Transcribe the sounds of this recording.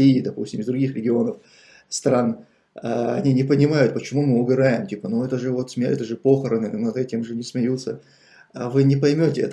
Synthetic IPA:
iːd̪ɐpṵsʲtʲɪmɨzd̪ɾʊɡʲixɾʲɪɡʲɪo̞nəf | st̪ɾan | aɐ̰nʲinʲɪpənʲɪmajʊt̪̚pət͡ɕɪmumɨʊbʲɪɾajɪmtʲipənuɛt̪əʐɨvo̞t̪smʲɪɛ̰t̪əʐɨpo̞xəɾənɨnɐd̪ɛtʲɪmʐɨnʲɪsmʲɪjut̪sə | avɨnʲɪpɐjmʲotʲɪɛ̰t̪

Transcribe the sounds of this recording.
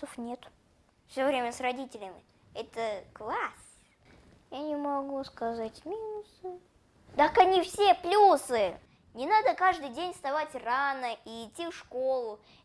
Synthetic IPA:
əfnʲe̞t̪ | fsʲovɾʲemʲəsrɐdʲitʲɪlʲɪmʲɪ | ɛt̪əklˠasʲ | janʲɪmɐɡuskɐzatʲmʲinʊsɨ | d̪akɐnʲifsʲeplʲusɨ | nʲɪnad̪əkaʐd̪ɨjdʲenʲst̪ɐvatʲranəiːtʲːifʂko̞lˠʊ

